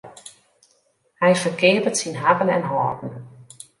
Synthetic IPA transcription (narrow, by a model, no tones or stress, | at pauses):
hɛjfərkʰeːpətsinɦapənɛ̰nɦɔːtn̩